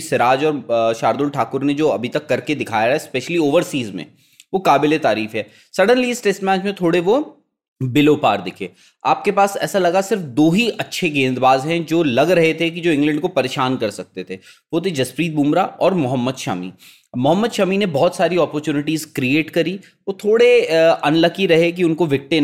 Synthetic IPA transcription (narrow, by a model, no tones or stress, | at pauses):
sɪɾaːd͡ʒɔːɾʃaːɾd̪ʊlʈʰaːkʊɾned͡ʒoːɐbʱit̪ɐkːɐɾked̪ɪkʰaːjaɦɛspɛːʃəlioːʋəɾsiːzmḛ̃ | ʋokaːbɪlet̪aːɾiːfɦɛː | sɐɖənliɪsʈesʈmɛːt͡ʃmẽt̪ʰoːɽeʋo | bɪloːpa̰ːɾd̪ɪkʰḛː | aːp̚kepaːsɛ̰ːsalɐɡasɪɾfd̪oːɦiʔɐtːʃʰeɡẽːnd̪baːzɦɛ̃d͡ʒoːlɐɡɾɐɦet̪ʰek̬id͡ʒoːɪ̃ŋɡlɛ̃ɳɖkopɐɾeːʃaːnkɐɾsɐk̚t̪et̪ʰe | ʋoːt̪ʰed͡ʒɐspɾiːt̪̚bũːmɾaɔːɾmʊɦəmːəd̪ʃa̰ːmḭ | mʊɦəmːəd̪ʃaːminebɔɦt̪saːɾiɔːpəɾt͡ʃuːnɪʈiːzkɾieːʈkɐɾi | ʋot̪ʰoːɽeɐnlɐkiɾɐɦek̬iʊnkoʋɪk̚ʈe